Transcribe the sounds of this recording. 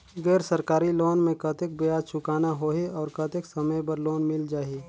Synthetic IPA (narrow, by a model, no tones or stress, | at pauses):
ɡɛːɾsəɾkaːɾiloːnmẽkɐt̪ek̚bejaːt͡ʃʰʊkaːnaɦoːeɔːɾkɐt̪ɪksɐməjpɐɾloːnmɪld͡ʒaːiː